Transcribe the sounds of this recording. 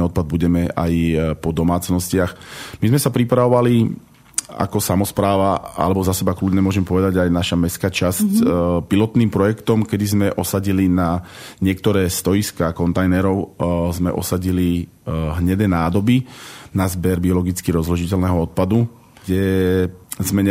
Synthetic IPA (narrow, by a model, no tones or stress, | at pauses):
ɔt̪̚pad̪̚buɟɛmɛʔa̰jpɔd̪ɔmaːt͡snɔscɪaxmizmɛsapɾipɾaʋɔʋali | a̰kɔsamɔspɾaːʋaa̰lɛbɔzasɛbaklud̪ɲɛmʊɔʒɛmpɔʋɛd̪aɟajnaʃamɛskaːt͡ʃascpilɔt̪niːmpɾɔjɛkt̪ɔmkɛd̪izmɛʔɔsaɟilina | ɲɪɛk̚t̪ɔɾɛːst̪ɔjiskaːkɔnt̪ajnɛɾɔʊzmɛ̰ʔɔ̰saɟili | ɦɲɛd̪ɛnaːd̪ɔbinazbɛɾbiɔlɔɡit͡skiɾɔzluʒicɛlnɛɦɔɔt̪̚pad̪u | ɡɟɛ | zmɛɲ